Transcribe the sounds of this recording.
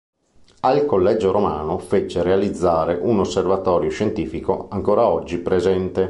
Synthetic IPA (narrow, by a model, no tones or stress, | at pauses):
alkolːɛd͡ʒːoɾomaːnofet͡ʃːeɾealid̪zːaːɾeʔunosːervat̪ɔːɾjoʃent̪iːfikoaŋkoːɾaɔd͡ʒːipɾezɛnt̪e